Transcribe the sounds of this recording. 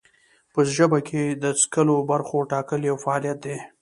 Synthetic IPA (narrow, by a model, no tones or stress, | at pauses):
pəʒəbakʰed̪əskəlobaɾxoʈɑkəljawfaːlijat̪̚d̪e